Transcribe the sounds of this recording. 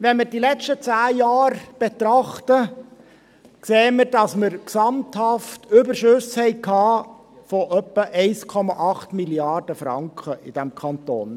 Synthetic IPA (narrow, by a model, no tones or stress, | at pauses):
ʋɛnmɪɾdilɛt͡ʃtət͡sæːjɑːɾb̥et̪ɾɑχtə | kseːəmɪɾdɑsməɾksɑmthɑftʏbəɾʃɵshɛɪkʰːɑː | fɔʔœpːəʔɛɪskʰɔmɑʔɑχtmiljɑrd̥əfɾɑ̰ŋkχəʔɪd̥æmkʰɑnt̪o̰ːn